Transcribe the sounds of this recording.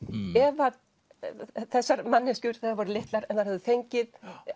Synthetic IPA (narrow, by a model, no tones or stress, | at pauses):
ɛva | θɛsːaɾmanːɪscʏɾ̥θɛːðaɾvɔːɾʏlɪht̪laɾɛnθaɾɛvðʏθejɲcɪð